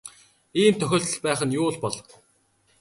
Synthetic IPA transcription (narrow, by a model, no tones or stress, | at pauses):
iːmt̪ʰœxʲɔːɬt̪ɞ̆ɮpæːχə̆njʊːɮpɔɮɞ